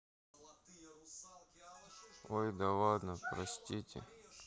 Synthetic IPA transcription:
ojd̪ɐlad̪nəpɾɐsʲtʲitʲɪ̰

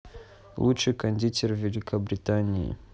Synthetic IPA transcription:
lṵt͡ʃɨkanʲd̪ʲitʲʰervʲelʲikʰabɾitanʲijḭ

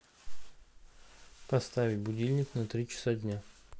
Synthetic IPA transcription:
pɐst̪avʲɪtʲbʊdʲilʲnʲɪt̪snɐt̪ɾʲit͡ɕɪ̥sadʲnʲa

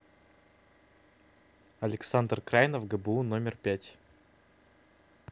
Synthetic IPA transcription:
ɐlʲɪksand̪rkɾajnəfɡəbəunomʲɪrpʲætʲ

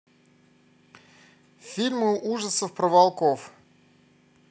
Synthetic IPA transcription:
fʲilʲmɨʔuʐəsəfpɾəvalˠkof

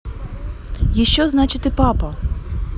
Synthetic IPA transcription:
jiʃt͡ʃːɔznɑt͡ʃɪt̪ɪpɑpɐ

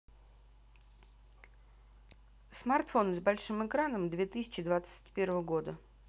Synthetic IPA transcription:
smart̪fo̞nɨzbɐlʲʂɨmɨkɾanəmd̪vʲet̪ɨsʲɪ̥t͡ɕɪd̪vat̪sə̥tʲpʲe̞rvəvəɡo̞d̪ə

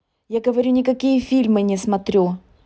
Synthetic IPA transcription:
jaɡəvɐɾʲunʲɪkɐkʲijəfʲilʲmɨnʲɪsmɐt̪ɾʲu

